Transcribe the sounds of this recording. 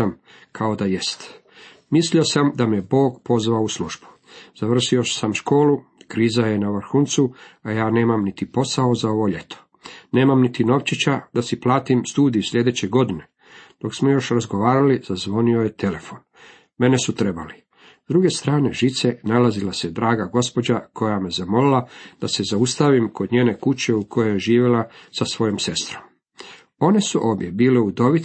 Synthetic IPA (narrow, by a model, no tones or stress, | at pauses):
am | kʰao̞d̪ajest̪ | mislio̞samd̪ameebo̞ːɡpo̞zʋaousluʒ̥bu̥ | z̥aʋr̩ʃio̞samʃko̞ːlukɾiːzaje̞naʋr̩xunt̪suajaːne̞ːmamnit̪ipo̞sao̞zao̞ʋo̞ʎe̞t̪ʰo̥ | ne̞ːmamnit̪ino̞ʋt͡ɕit͡ɕad̪asiplˠaːt̪imst̪uːd̪ijuslʎʲe̞d̪et͡ɕeɡo̞d̪ine̞ | d̪̥o̞ksmo̞jo̞ʃɾazɡo̞ʋaːɾalizazʋo̞nio̞jet̪e̞le̞fo̞n | me̞nesut̪ɾe̞bali | zd̪ɾuɡe̞st̪ɾaːne̞ʒit̪se̞nalazilased̪ɾaːɡaɡo̞spo̞d͡ʑako̞jamezamo̞lilad̪̥ase̞zaust̪aʋimkod̪ɲe̞ːne̞kut͡ɕe̞ukʰo̞jojeʒiːʋjelasasʋo̞jomse̞st̪ɾo̞m | o̞ne̞suʔo̞ːʋje̞biːleud̪o̞ʋi